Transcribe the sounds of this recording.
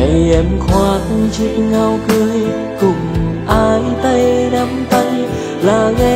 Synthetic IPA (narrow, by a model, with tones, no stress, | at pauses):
a˨˩jʔɛ˨˦mxwaː˧˦t̚ŋt͡ɕḭ˧˨ŋa˧wkɨ˧əj | kʊ˨˩ŋ͡mʔaː˧jt̪ə˧jna˧˦mt̪ə˧ŋ | laː˨˩ɣa˧